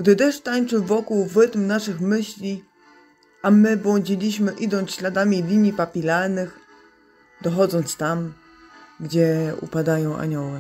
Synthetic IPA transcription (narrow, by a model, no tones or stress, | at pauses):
ɡd̪ɘd̪ɛʂt̪aɲt͡ʂɘvɔkuwvɘt̪mnaʂɘxmɘɕlʲi | amɘbwɔɲd͡ʑilʲiɕmɘʔid̪ɔnt̪ɕlad̪amʲilʲimʲipapʲilaɾnɘx | d̪ɔxɔd̪zɔnt̪st̪am | ɡd͡ʑɛṵpad̪ajɔ̃w̃ʔa̰ɲɔwɛ